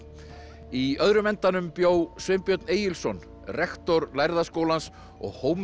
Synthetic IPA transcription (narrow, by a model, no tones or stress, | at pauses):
iœðɾʏmɛnt̪anʏmpjoːwsvɪmpjœt̪neːjɪlsɔn | rɛxt̪ɔɾlajɾðaskoːwlans | ɔ̰ɣhoːwm